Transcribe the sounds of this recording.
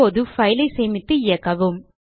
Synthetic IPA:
oːðɯfɐɪlɐɪsɛːmɪt̪ːɯɪjɐkːɐʋɯm

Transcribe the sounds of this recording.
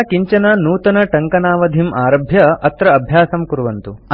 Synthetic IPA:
kiɲt͡ʃɐnɐnuːt̪ɐnɐʈɐŋkɐnaːʋɐd̪ʱimʔaːɾɐbʱjɐɐt̪ɾɐɐbʱjaːsɐmkuɾuʋɐnt̪uɐ

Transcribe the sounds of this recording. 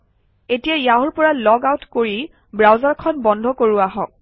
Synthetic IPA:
etijajaɦuɹpɔɹalɔɡawtkoɹi | bɹawzaɹkʰɔnbɔndʱɔkoɹuaɦɔ̃k̚

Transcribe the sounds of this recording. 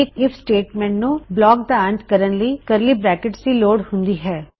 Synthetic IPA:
ekɪfʰsʈeːʈmɛ̃ːɳʈnũblɔːk̚d̪aə̃nt̪kəɾənlikɐɾlibɾɛːkɪʈsiloːɽɦʊ̃nd̪iɦɛː

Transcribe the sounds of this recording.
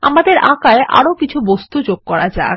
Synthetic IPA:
a̰mad̪eɾãkaeʔa̰ɾokit͡ɕʰubost̪ud͡ʑoɡ̚kɔɾad͡ʑa̰

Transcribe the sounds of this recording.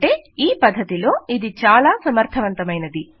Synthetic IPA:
ʈe̞ːiːpɐd̪ʱːɐt̪ilo̞ːid̪it͡ʃaːlaːsɐmɐɾt̪ʰɐʋɐnt̪ɐmɐjnɐd̪i

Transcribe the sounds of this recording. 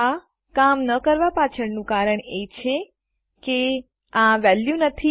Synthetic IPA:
a | kamnəkəɾʋapat͡ʃʰəɽnũkaɾəɳet͡ʃʰe | ke | ãʋɛljunət̪ʰi

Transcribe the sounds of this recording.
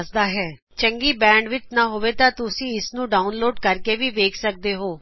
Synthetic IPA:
sd̪aːɦɛː | t͡ʃəŋɡiːbɛ̃ːɳɖʋɪt͡ʃnaːɦoːʋeːt̪ãːt̪ʊsĩːɪsnũːɖaːʊnloːɖkəɾkeːʋiːʋeːkʰsək̚d̪eːɦoː

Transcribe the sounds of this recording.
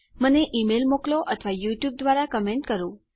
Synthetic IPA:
məneʔimelmokloʔət̪ʰəʋajuʈjub̚d̪ʋaɾakəmeɳʈkəɾũ

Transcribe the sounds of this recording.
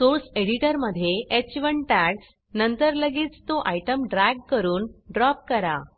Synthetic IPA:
soɾseɽiʈəɾməd̪ʱːjeʔet͡ɕʋəɳʈæɽ | nənt̪əɾləɡiːt͡st̪oʔajʈəmɖɾæɡ̚kəɾuːnɖɾɔp̚kəɾa

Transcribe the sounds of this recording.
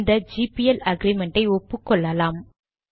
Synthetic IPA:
nd̪ɐd͡ʒiːpijɛlɐɡɾimɛɳʈɐɪɔpːɯkːɔɭːɐlaːm

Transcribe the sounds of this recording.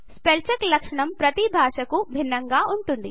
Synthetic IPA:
spelt͡ʃɐklɐkʂɐɳɐmpɾɐt̪ibʱaːʂɐkubʱinːɐŋɡaːuɳʈund̪i

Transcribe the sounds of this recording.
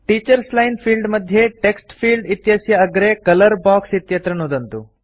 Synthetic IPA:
ʈiːt͡ʃɐɾslɐjnpʰiːlɖmɐd̪ʱjeʈeksʈpʰiːlɖit̪jɐsjɐːɡɐɾekɐlɐɾbaːksit̪jɐt̪ɾɐnuːd̪ɐnt̪u

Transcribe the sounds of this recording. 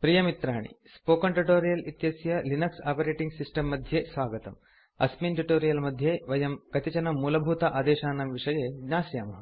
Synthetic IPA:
pɾijɐmit̪ɾaːɳḭ | spoːkɐɳʈuʈoːɾijɐlit̪jɐsjɐlinɐksaːpɐɾeːʈiŋɡsisʈɐmːɐd̪ʱjeːsʋaːɡɐt̪ɐ̰m | ɐ̰smiːnʈuʈoːɾijɐlmɐd̪ʱjeːʋɐjɐmkɐt̪it͡ʃɐnɐmːuːlɐbʱuːt̪ɐʔaːd̪eːʃaːnɐmʋiʂɐjeːɡɲaːsjaːmɐɦɐ

